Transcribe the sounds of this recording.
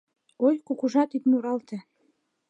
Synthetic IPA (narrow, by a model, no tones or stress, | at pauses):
ojkukuʒɑt̪id̪muɾɑlt̪ĕ